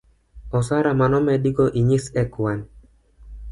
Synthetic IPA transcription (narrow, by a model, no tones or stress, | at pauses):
ɔsaɾamanɔmɛdiɡɔʔiɲisɛkwan